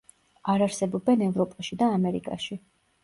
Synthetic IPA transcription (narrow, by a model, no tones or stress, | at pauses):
aɾaɾsɛbɔbɛnɛvɾɔpʼaʃid̪aːmɛɾḭkʼa̰ʃi